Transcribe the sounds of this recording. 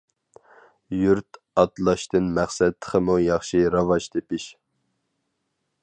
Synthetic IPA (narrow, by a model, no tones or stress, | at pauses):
juɾt̪ | ɑt̪lˠɑʃt̪ɨnmæχsɛd̪ʰχʰəmujɑχʃiɾɑvɑʃt̪ʰepɪʃ